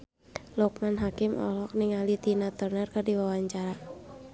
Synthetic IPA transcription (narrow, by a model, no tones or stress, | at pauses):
lɔk̚manɦakɪmɔ̰lɔk̚niŋalit̪inat̪ɔrnərkərdiwawaɲt͡ʃaɾa